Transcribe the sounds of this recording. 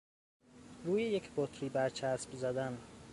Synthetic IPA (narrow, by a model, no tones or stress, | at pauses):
ɾuːjejecʰbot̪ʰɾiːbæɾt͡ʃʰæsbzæd̪æn